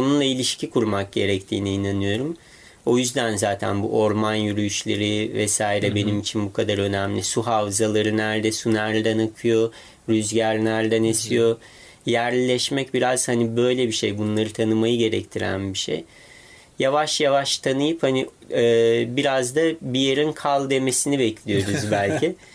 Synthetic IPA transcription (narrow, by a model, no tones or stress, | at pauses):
onunlˠailʲiʃcʰikʰuɾmak̚ɟe̞ɾɛct̪ʰiːniːnanɯjo̞ɾum | o̞jyzd̪ænzaːt̪ʰæ̰nbṵʔo̞ɾmanjyɾyjyʃlʲeɾivɛsaːiɾɛbe̞nimit͡ʃʰinbukʰad̪aɾø̞næmlʲisuɦavzalˠaɾɯnæɾd̪ɛsunæɾd̪ænakʰɯjo̞ | ɾyzɟæɾnʲæɾd̪ænesijo̞ | jæɾllʲɛʃmɛcbiɾaz̥hanibø̞jlʲebiʃejbunlˠaɾɯt̪ʰanɯmajɯɟe̞ɾɛ̰ct̪ʰiɾæ̰nbiʃḛj | javaʃjavaʃt̪ʰanɯjɯphani | ɯːbiɾazd̪abijeɾinkʰalˠd̪e̞me̞sinibɛcʰlʲijo̞ɾuzbælʲcʰɪ